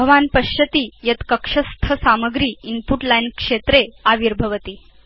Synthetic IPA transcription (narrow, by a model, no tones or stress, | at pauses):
əʋanpəɕət̪iːjət̪kəkʂəst̪ʰəsaməɡɾiːimpuʈlajnkʂet̪ɾeaʋiɾbʱəʋət̪iː